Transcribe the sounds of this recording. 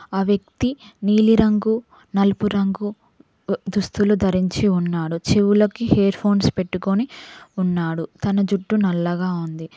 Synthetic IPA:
aːʋjɐk̚t̪iniːliɾɐŋɡu | nɐlupuɾɐŋɡu | d̪ust̪ulud̪ʱɐɾiɲt͡ʃiunːaːɽut͡ʃeʋulɐkiheːɾpʰo̞ːnspe̞ʈːukoniunːaːɽut̪ɐnɐd͡ʒuʈːunɐlːɐɡaːund̪i

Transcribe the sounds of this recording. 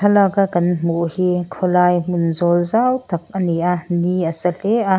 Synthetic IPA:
ɐlakakɐnmuʔhikʰɔlajmunzɔlzawt̪ɐk̚ʔɐnianiɐsɐleʔa

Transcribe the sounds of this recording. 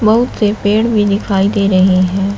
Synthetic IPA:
bɐɦʊt̪sepeːɽbʱid̪ɪkʰaːid̪eːɾɐɦeɦɛ̃ː

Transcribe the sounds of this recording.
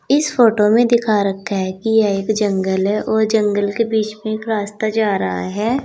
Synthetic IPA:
ɪsfoːʈomẽd̪ɪkʰaɾɐkʰːaɦɛkijɛeːkd͡ʒə̃ŋɡəlɦɛʔɔːɾd͡ʒə̃ŋɡəlkebiːt͡ʃmẽeːkɾaːst̪ad͡ʒaːɾɐɦa̰ɦɛː

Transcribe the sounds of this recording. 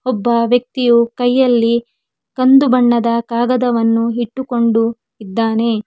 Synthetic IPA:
ɔbːɐʋjɐk̚t̪ijukɐjːɐlːi | kɐnd̪ubɐɳːɐd̪ɐkaːɡɐd̪ɐʋɐnːuɦiʈːuko̞ɳɖu | id̪ːaːne̞

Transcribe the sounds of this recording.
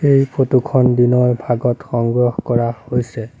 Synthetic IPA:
ejpʰotukʰɔndinɔɹbʱaɡɔtxɔŋɡɹɔxkɔɹahojsɛ

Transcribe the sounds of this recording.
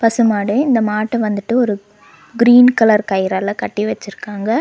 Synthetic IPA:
pɐsɯmaːɽɯɪnd̪ɐmaːʈːɐʋɐnd̪ɯʈːɯɔɾɯ | ɡɾiːnkɐlɐɾkɐjɪɾɐlɐkɐʈːiʋɐt͡ʃːɪɾɯkːaːŋɡɐ

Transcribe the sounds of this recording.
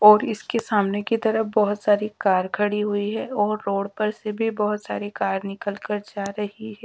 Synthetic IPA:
ɔːɾɪskesaːmnekit̪ɐɾəbɔɦʊt̪saːɾikaːɾkʰɐɽiɦʊiɦɛɔːɾːoːɽpɐɾsebʱibɔɦʊt̪sa̰ːɾikaːɾnɪkəlkəɾd͡ʒaːɾɐhiɦɛː

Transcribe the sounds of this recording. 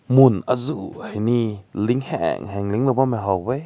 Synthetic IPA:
munazuheniliŋhɛ̰ŋɦɛŋliŋlɔwbamɛɦawbɛ

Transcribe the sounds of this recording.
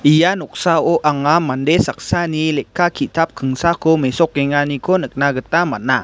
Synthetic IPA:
ʔijanɔk̚saoʔaŋamːandesak̚sanilɛkːakʰit̪ap̚kʰəŋsakomesɔk̚ːeŋanikʰonək̚naɡət̪amana

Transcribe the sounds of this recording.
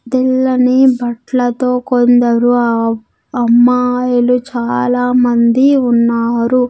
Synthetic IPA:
d̪ilːɐnibɐʈlɐt̪oːkond̪ɐɾu | ɐmːaːjɐlut͡ʃaːlaːmɐnd̪iunːaːɾu

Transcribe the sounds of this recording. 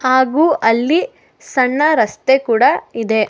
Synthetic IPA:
haːɡuːʔɐlːi | sɐɳːɐɾɐst̪ekuːɽɐid̪e̞

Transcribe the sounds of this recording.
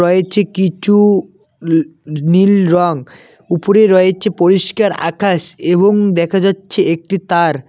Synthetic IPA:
ɔet͡ɕʰekit͡ɕʰu | nilɾɔŋ | upoɾeɾɔet͡ɕʰepoɾiʃkaɾa̰kaʃeβoŋd̪ɛkʰad͡ʑatːɕʰeek̚ʈit̪aɾ

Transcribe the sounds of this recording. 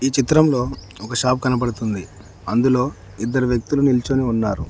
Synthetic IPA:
iːt͡ʃit̪ɾɐmlo̞ː | ɔkɐʃaːp̚kɐnɐp̬ɐɽut̪und̪i | ɐnd̪ulo̞ː | id̪ːɐɾuʋjɐk̚t̪ulunilt͡ʃoːniunːaːɾu

